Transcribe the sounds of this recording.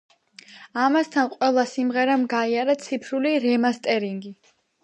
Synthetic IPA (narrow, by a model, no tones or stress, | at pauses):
amast̪ʰanqʼwɛlˠasimʁɛɾamɡaiaɾat̪sʰipʰɾuliɾɛmast̪ʼɛɾiŋɡi